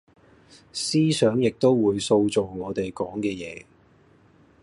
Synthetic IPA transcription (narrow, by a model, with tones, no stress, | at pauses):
siː˥sœː˨˥ŋjɪ˨k̚t̪o˥wwuː˨˧jso˧wt͡so˨˩wŋɔː˨˧t̪e˨jkɔː˨˥ŋkɛː˧jɛː˨˦